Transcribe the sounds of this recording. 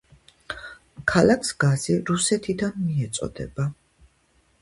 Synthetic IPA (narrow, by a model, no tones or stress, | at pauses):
kʰalˠakʰsɡaziɾusɛt̪ʰid̪anmiɛt̪sʼɔ̰d̪ɛ̰ba